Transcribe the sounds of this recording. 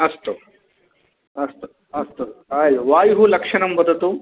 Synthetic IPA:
ɐst̪o | ɐst̪o | ɐst̪oajʋaːjɦulɐkʂɐɳɐmbɐd̪ət̪u

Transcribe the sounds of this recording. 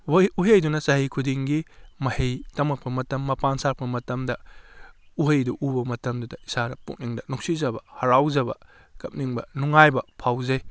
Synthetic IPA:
uɦejdunɐsɐɦijkʰudiŋɡimɐhejtɐmɐk̚pʰɐmɐtɐmːɐpansak̚pʰɐmɐtɐmdɐ | uɦejduʔubɐmɐtɐmdudɐisanɐpṵk̚niŋdɐnuk̚sizɐbɐhɐɾawzɐbɐ̰ | kɐp̚niŋbɐ̰nuŋajbɐpʰawzej

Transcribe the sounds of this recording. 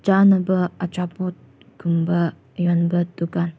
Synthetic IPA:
d͡ʒanəbəat͡ʃaput̪̚ | kumbə | jɔnbət̪ukan

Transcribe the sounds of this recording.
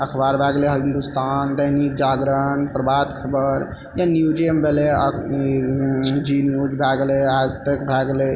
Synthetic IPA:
əkʰbaɾbʱaɡleɦĩnd̪ust̪ʰand̪əɦnik̚d͡ʒaɡɾəɳpɾəbad̪kʰəbəɾ | janjud͡ʒiembele | d͡ʒinjud͡ʒbʱaɡlead͡ʒt̪əkbʱaɡle

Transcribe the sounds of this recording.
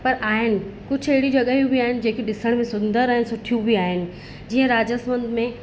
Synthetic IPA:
pɐɾʔaːɦɪnɪ̆kʊd͡ʑʱɐɦɪɽid͡ʑɐɠəɦijũbiaːɦɪnɪ̆d͡ʑeːkʰeɗɪsəɽ̃mẽsʊ̃nd̪əɾaːɦɪnɪsʊʈʰijũbiaːɦɪnɪ̆ | d͡ʑiːə̃ɾaːd͡ʑəsmə̃nd̪mẽ

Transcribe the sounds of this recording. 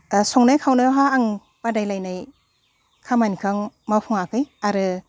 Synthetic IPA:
sɔŋnajkʰawnɯɦaːŋ | b̥adajlajnaj | kʰamankʰɯŋmawpʰɔŋakʰɯjaɾɯ

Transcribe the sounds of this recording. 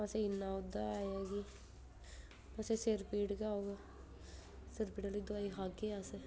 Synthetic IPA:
əseɪnːaːʊd̪ːaajɛːɡiː | pəseseɾpiːʈkeauːɡaː | seɾpiːʈaliːd̪ʊaːiɦaːkeaseː

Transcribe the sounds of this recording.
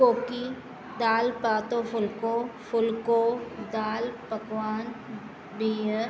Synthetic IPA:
oːki | d̪aːlpaːt̪ofʰʊlkofʊlkod̪aːlpəkʋaːn | biːjə

